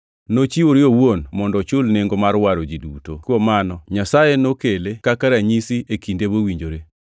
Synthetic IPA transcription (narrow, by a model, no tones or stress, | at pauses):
not͡ʃiwoɾɪowonmɔndɔt͡ʃʊlneŋɡomaɾwaɾod͡ʒidutokwɔmanɔɲasajenokelekakaɾaɲisiekindebowiɲd͡ʒoɾe